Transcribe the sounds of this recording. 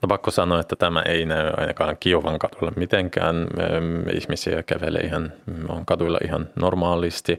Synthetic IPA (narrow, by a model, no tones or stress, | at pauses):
nopɑkːosɑnoːet̪ːæt̪æmæ̰ʔeinæyɑ̰inɑkɑːŋkiuʋɑŋkɑt̪ulːɑmmit̪eŋkæ̰ːn | ḭhmisiækæʋelḛʔihɑno̰ŋkɑt̪uilːɑ̰ʔihɑnnormɑːlist̪i